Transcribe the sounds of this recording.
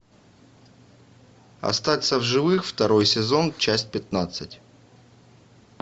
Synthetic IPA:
ɐ̰st̪at̪səvʐɨvɨxft̪ɐɾo̞jsʲɪzo̞nt͡ɕæsʲt̚ʲpʲɪt̪nat̪sɨtʲ

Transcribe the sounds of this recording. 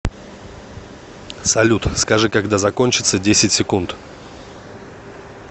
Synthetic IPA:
sɐlʲut̪skɐʐɨkɐɡd̪azɐko̞nʲt͡ɕɪt̪sədʲesʲɪtʲsʲɪkunt̪

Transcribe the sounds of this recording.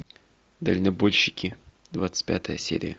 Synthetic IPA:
d̪əlʲnɐbolʲɕːɪkʲɪ | d̪vat̪sɨ̥tʲpʲa̰t̪əjəsʲḛɾʲɪ̰jə

